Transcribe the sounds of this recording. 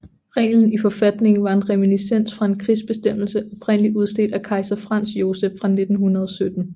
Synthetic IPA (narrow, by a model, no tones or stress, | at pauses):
ʁɛ̰ːln̩ifɒ̽fæd̥ne̝ŋn̩ʋɑ̈e̝nʁɛminisen̰sfʁɑ̈e̝nkʰʁisb̥e̝sd̥em̰l̩səʔɒ̽b̥ʰʁen̰əliuð̞ˠsd̥e̝̰ːd̥ækʰɑ̈ɪsɐfʁɑ̈n̰sjo̝ːseb̥fʁɑ̈ne̝d̥n̩hunɐð̞ˠɒsød̥n̩